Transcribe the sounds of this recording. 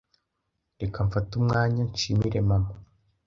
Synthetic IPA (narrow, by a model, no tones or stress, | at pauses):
ɾekaɱfatumŋaːɲanʃimiɾe̞mamo